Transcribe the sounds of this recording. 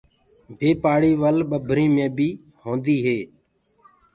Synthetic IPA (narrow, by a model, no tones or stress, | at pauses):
bʱeːpaːɽiːʋəlɓəbʱɾĩːmẽːbiː | hõːnd̪iːɦeː